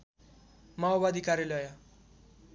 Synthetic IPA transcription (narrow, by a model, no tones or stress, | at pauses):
mabad̪ʱikaɾjelʌja